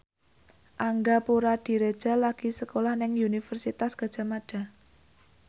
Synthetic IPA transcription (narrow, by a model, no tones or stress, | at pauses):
ʔaŋɡapuɾad̥i̤ɾed̥ʒ̥a̤laɡ̥isəkolahnɪŋunifərsit̪asɡ̥a̤d̥ʒ̥a̤maɖ̥a̤